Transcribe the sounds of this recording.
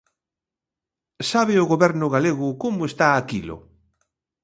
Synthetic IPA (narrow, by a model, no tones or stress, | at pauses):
saβeʊɣoβɛɾnʊɣaleɣʊkomʊest̪aːkilʊ̰